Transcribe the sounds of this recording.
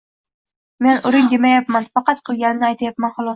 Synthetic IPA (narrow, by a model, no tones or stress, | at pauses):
me̞nʊɾɪŋd̪emajapmanfɑqʰɑt̪qʰɨlˠɡʲanɪnɪajt̪ʰajapmanχʊlˠɒs